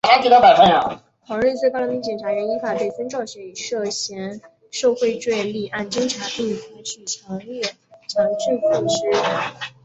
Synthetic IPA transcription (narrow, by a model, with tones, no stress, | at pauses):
a˥t̪ʰi˧˩t̪ɑ˥˩pa˨˩fa˥˩na̰˧˩ | fʰwɑ˧˥ŋɻ̩˥˧t͡swkmi˧˥ŋt͡ɕɛ˨˩nʈ͡ʂʰa˧˥ɥɛ˧˥ni˧˥fa˨˩t̪e˥˩ɪfə˥nʈ͡ʂɑ˥˩ʊɕɥɛ˧˥i˨˩ʂɤ˥˩ɕjɛ˧˥n | ʂo˥˧ʊxwe˥˧ɪʈ͡ʂwe˥˧ɪli˥˧ʔa˥˩nʈ͡ʂə˥ŋʈ͡ʂʰa˧˥ŋti˥˩fu˧˥t͡ɕʰy˥˩t͡ɕʰjɑ˧˥ŋlɥɛ˥˩ | t͡ɕʰjɑ˧˥ŋʈ͡ʂy˥˩fɑ˥˩ŋʂɻ̩˥˩˥